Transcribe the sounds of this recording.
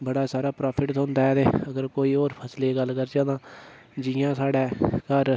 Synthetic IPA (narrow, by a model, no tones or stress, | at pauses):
bəɽaːsaːɾaːpɾaːpʰɪʈt̪ʊnd̪aɛd̪eːəɡəɾkoːiːoːɾpʰəsleːɡəlːkəɾd͡ʒãːd̪ãː | d͡ʒɪjãːsaːɽɛːkəɾ